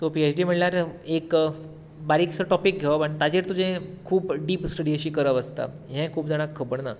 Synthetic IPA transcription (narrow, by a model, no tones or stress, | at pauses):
t̪opiet͡ɕɖim̤əɳljaɾek | baɾiksəʈɔpik̚ɡʱeʋapəɳt̪ad͡ʑeʈt̪ud͡ʑẽkʰuːpɖiːpsʈəɽiəɕiːkəɾəʋəst̪a̰ | ɦɛ̃kʰuːp̚d͡zaɽ̃akʰːəbəɳna